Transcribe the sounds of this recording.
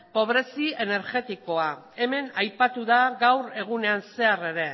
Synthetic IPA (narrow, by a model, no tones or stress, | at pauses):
po̞β̞ɾe̞sie̞ne̞ɾʝe̞t̪iko̞a | e̞me̞najpat̪uðaɣawɾe̞ɣ̞une̞anse̞are̞ɾe̞